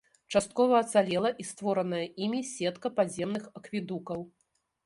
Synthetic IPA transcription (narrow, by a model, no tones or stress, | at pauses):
t͡ʂast̪̚kɔvɐːt̪salʲɛlˠɐʔist̪vɔɾɐnɐjɐʔimʲisʲɛt̪kɐpazʲɛmnɨxɐkvʲid̪ukɐw